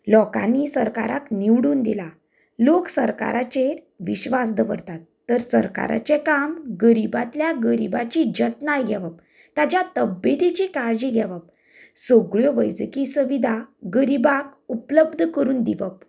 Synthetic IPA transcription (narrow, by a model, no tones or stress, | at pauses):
lɔka̰nːisəɾka̰ɾa̰kniwɽuːnd̪ila | loksəɾka̰ɾat͡ɕe | ʋiɕʋas̬d̪əʋə̰ɾt̪at̪ːəɾsəɾka̰ɾa̰t͡ɕekamɡəɾibat̪ljaɡəɾibat͡ɕid͡ʑət̪najɡʱɛʋəp̚ | t̪at͡ɕjat̪əbjet̪it͡ɕikaɾd͡ʑiɡʱɛʋəp | soɡɭjɔʋəjd͡zkisəʋid̪ʱaɡəɾibak̚upləbd̪ʱkəɾuːnd̪iʋəp̚